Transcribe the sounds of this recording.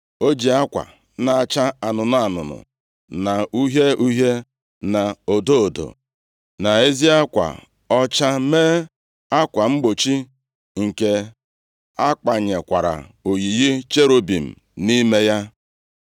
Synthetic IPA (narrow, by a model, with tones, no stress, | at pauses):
o˦d͡ʒi˨a˦kʷa̰˨ | na˨a˨t͡ʃa˦a˨nʊ˨nʊ˨a˨nʊ̰˨nʊ̰˨ | na˨u˦ɦe˦u˦ɦe˦ | na˨o˨do˦o˨do̰˨ | na˨e˦zi˦a˦kʷa̰˨ | ɔ˦t͡ʃa˦meː˦ | a˦kʷa˨ŋ͡m̩˦ɡ͡bo˨t͡ʃi˦ | ŋ̩˨ke˨ | a˦ka˨ɲe˨kʷa˨ɾa̰˨o˨ji˨ji˦t͡ʃe˦ɾo˨bi˨m̩˨ | ni˦me˦ja˦